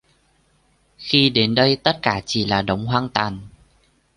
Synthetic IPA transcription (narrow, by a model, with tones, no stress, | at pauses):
xi˧ɗe˨˦nɗə˧jt̪ə˦˥t̚kaː˧˩t͡ɕi˧˩laː˨˩ɗə˨˦wŋ͡mɦwaː˧ŋt̪waː˨˩n